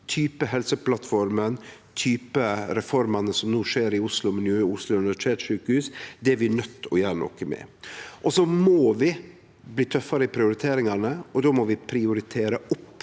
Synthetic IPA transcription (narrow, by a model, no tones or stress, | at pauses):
t̪ʰyːpəɦɛlsəpʰlɑt̪fɔɾmənt̪ʰyːpəɾɛfɔɾmɑnəsɔmnuːʂeːɾɪʊslʊmɪnjøːʊslʊʉnʋʈ̪ʰeːt̪ʂʉːkəhʉːsd̪ɛæɾʋɪnœt̪ʰːɔ̰jæːɾɳɔ̰kəmɛ̰ʔɔsɔmoːʋɪ | bliːt̪ʰœfːɑɾəɪpʰɾɪʊɾɪt̪ʰeːɾɪŋɑnəɔd̪oːmɔʋɪpʰɾɪʊɾɪt̪ʰeːɾəʊpː